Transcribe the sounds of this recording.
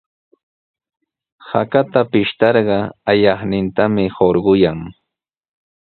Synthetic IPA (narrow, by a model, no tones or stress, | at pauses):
hakat̪apɪʃt̪ɑɾɢɑajɑχnɪnt̪amɪhoɾɢʊjaŋ